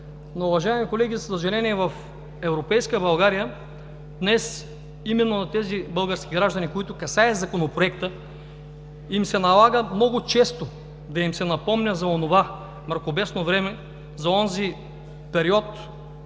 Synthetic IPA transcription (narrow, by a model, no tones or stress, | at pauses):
nouvɐʒaɛmikolɛɡʲizsɐʒɐlʲɛniɛvɐf | ɛvɾopɛjskəbɐlˠɡaɾijə | d̪nɛs | imɛnːonɐt̪ɛzibɤlˠɡəɾskʲiɡɾaʒd̪ɐnikoit̪ʊkɐsaɛzɐkonopɾoɛkt̪ə | imsɛnɐlˠaɡəmnɔɡʊt͡ʃɛst̪o | d̪ɐimsɛnɐpɔmnʲɐzɐonova | mɐɾkobɛsnovɾɛmɛ | zɐɔnzi | pɛɾiɔt̪